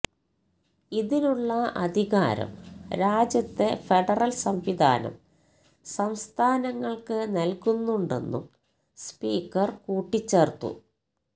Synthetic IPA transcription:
iðinuɭːɐɐd̪ʱiɣa̰ːɾɐ̰mɾaːd͡ʑjɐt̪ːefeɖɐrɐlsɐmʋid̪ʱa̰ːnɐ̰m | sɐmst̪ʰaːnɐŋːɐɭkɨnɐlkunːuɳɖe̞̰nːṵm | spiːkːɐrkuːʈːit͡ɕːeːrt̪ːṵ

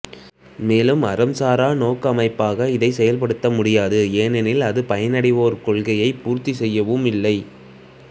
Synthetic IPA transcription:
meːlɯmɐɾɐmsaːɾaːnoːkɐmɐɪpːaːɣɐɪðɐɪsɛjɐlp̬ɐɽɯt̪ːɐmʊɽɪjaːðɯeːnɛnɪlɐðɯpɐjɐnɐɽɪʋoːɾkɔɭɣɐjɐɪpuːɾt̪ːisɛjːɐʋɯmɪlːɐɪ

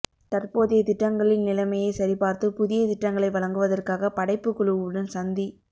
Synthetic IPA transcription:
t̪ɐrpoːðɪjɐt̪ɪʈːɐŋɡɐɭɪnnɪlɐmɐjɐɪsɐɾipaːɾt̪ɯpʊðɪjɐt̪ɪʈːɐŋɡɐɭɐɪʋɐɭɐŋɡɯʋɐðɐrkaːɣɐpɐɽɐɪpːɯkːɔɭɯʋɯɽɐnsɐnd̪i

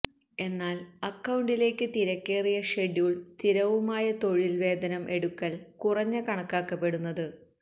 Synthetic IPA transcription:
e̞nːaːlɐkːɐwɳɖile̞ːkːɨt̪iɾɐkːeːrijɐʂe̞ɽijuɭst̪ʰiɾɐʋumaːjɐt̪o̞ɻilʋe̞ːd̪ɐnɐmʔe̞ɽukːɐlkurɐɲːɨkɐɳɐkːaːkːɐpːe̞ɽunːɐðɨ

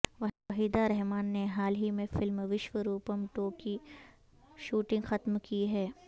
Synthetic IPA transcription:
ʋɐɐɦiːd̪aɾɛɦmaːnːeɦaːlɦimẽfɪlmʋɪʃʋəɾuːpəmʈoːki | ʃuːʈɪ̃ŋɡxɐt̪mkiɦɛː

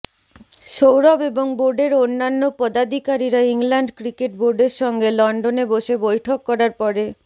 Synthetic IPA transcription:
ʃowɾɔbeboŋboɾɖeɾonːanːopɔd̪ad̪ʱikaɾiɾaiŋlaɳɖkɾikeʈ̚boɾɖeɾʃɔŋɡelɔɳɖoneboʃebojʈʰokːɔɾaɾpɔɾe

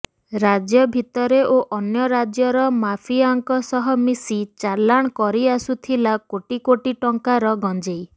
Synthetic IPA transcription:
ɾad͡ʒjɔbʱit̪ɔɾeʔoʔɔnjɔɾad͡ʒjɔɾɔmapʰiaŋkɔsɔɦɔmisit͡ʃaɾlaɽ̃kɔɾiasut̪ʰilakoʈikoʈiʈɔŋkaɾɔɡɔnd͡ʒej

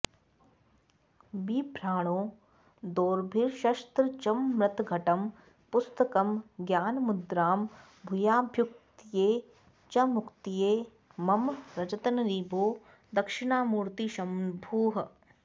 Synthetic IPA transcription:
biːbʱɾaːɽ̃õː | d̪oːɾbʱiɾʃɐʃt̪ɾət͡ʃɐmːɾɐt̪ɡʱɐʈɐm | pʊst̪əkɐmɡjaːnmʊd̪ɾaːm | bʱʊjaːbʱjʊk̚t̪ijeː | t͡ʃɐmʊkt̪ijeː | mɐmɾɐt͡ʃɐt̪ɐnɾiːbʱoː | d̪ɐkʃɪɳ̃aːmuːɾt̪iʃɐmbʱuːɦ

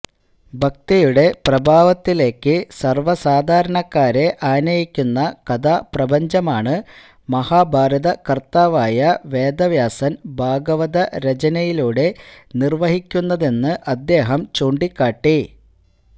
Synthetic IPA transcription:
bʱɐk̚t̪ijuɽe̞prɐbʱaːʋɐt̪ːile̞ːkːɨsɐrʋɐsaːd̪ʱaːɾɐɳɐkːaːɾe̞ʔaːnɐjikʲːunːɐkɐd̪ʱaːprɐbɐɲd͡ʑɐmaːɳɨ | mɐhaːbʱaːɾɐðɐkɐrt̪aːʋaːjɐʋe̞ːd̪ɐʋjaːsɐnbʱaːɡɐʋɐðɐɾed͡ʑɐnɐjiluːɽe̞nirʋɐɦikʲːunːɐðe̞nːɨʔɐd̪ːe̞ːɦɐmt͡ɕuːɳɖikːaːʈːi

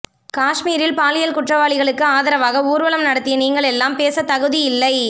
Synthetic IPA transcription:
kaːʂmiːɾɪlpaːlɪjɐlkʊʈrɐʋaːɭɪɣɐɭɯkːɯaːðɐɾɐʋaːɣɐuːɾʋɐlɐmnɐɽɐt̪ːɪjɐniːŋɡɐɭɛlːaːmpeːsɐt̪ɐɣɯðɪjɪlːɐɪ

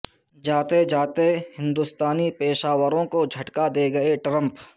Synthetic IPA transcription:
d͡ʒaːt̪ed͡ʒaːt̪ehɪ̃nd̪ust̪aːnipeːʃaːwəɾõkod͡ʒʱɐʈkad̪eɡɐeʈɾə̃mp

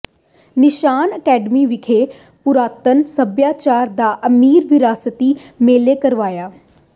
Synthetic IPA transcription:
nɪʃaːnəkɛːɖəmiʋɪkʰe | pʊɾaːt̪ənsəbjaːt͡ʃaːɾd̪aːʔɐmiːɾʋɪɾaːsət̪iːmeːlekɐɾʋaːjaː

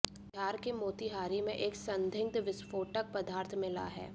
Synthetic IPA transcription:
t̪ʰjaːɾkemoːt̪iɦaːɾimẽʔeːksɐ̃nd̪ʱɪ̃ŋ̚d̪ʋɪsfoːʈək̚pɐd̪aːɾt̪ʰmɪla̰ɦɛ̰ː

